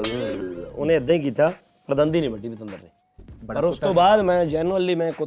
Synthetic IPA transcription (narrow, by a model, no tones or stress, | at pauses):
ʊ̰nẽːəd̪ãĩːk̬iːt̪aː | pɾd̪ənd̪iːnĩːbəʈːiːbit̪ə̃nd̪ə̰ɾnḛː | pəɾʊst̪õːbaːd̪mɛ̃ːd͡ʒɛːnəliːmɛ̃ːkʊ